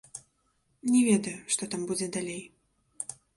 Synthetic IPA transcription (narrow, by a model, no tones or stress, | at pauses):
nʲɛvʲɛd̪ɐjuʂt̪ɔt̪ambud͡zʲɛd̪alʲej